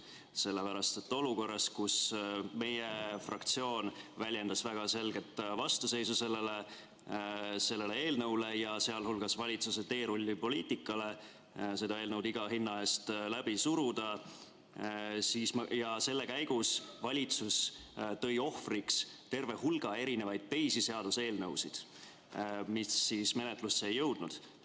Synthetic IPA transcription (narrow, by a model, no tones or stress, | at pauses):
se̞lːepæɾɑst̪et̪ːo̞luko̞rːɑskusme̞jefrɑ̰k̚t̪sio̞ːnvælʲje̞nd̪̥ɑsvæɡ̥ɑse̞lɡe̞t̪ːˑvɑst̪use̞jsuse̞le̞le | se̞lːe̞lee̞ːlnɤwle̞jɑse̞ɑlhulɡ̥ɑsvɑlʲit̪suset̪e̞ːɾulʲːipo̞liːt̪ˑikːˑɑle̞ | se̞d̪ɑeːlnɤwd̪iɡ̥ɑɦinːɑe̞ːst̪læb̥isuɾud̪̥ɑ | siːsmjɑse̞lːe̞kæjɡ̥usvɑlʲit̪sust̪ɤ̞jo̞hfrikst̪e̞rve̞hulɡ̥ɑe̞ɾine̞vɑjd̪̥̚t̪e̞jsise̞ɑd̪̥use̞ːlnɤwsid̪̥ | misːisme̞net̪lusːejːɤwd̪̥nud̪̥